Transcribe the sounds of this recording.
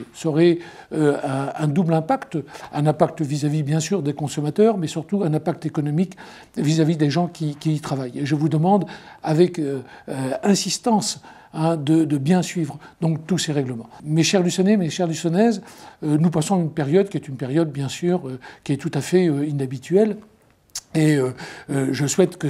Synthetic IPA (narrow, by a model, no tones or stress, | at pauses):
sɔʁɛøɛ̃ɛ̃d̪ublɛ̃pakt̪ɛ̃nɛ̃pak̚t̪vizavibjɛ̃syʁd̪ekɔ̃sɔmat̪œːʁmɛsyʁt̪uɛ̃nɛ̃pak̚t̪ekɔnɔmik | vizavid̪eʒɑ̃kʲikʲiːt̪χavajeʒəvud̪əmɑ̃d̪avɛkøɛ̃sist̪ɑ̃s | ɛ̃d̪əd̪əbjɛ̃sɥivʁəd̪ɔ̃k̚t̪useʁɛɡləmɑ̃meʃɛʁlysɔnemeʃɛʁlysɔnɛzønupasɔ̃ynpeʁjɔd̪kʲiɛt̪ynpeʁjɔd̪̚bjɛ̃syːʁøkʲiɛt̪ut̪afɛøinabit̪ɥɛl | eøøʒəswɛt̪kə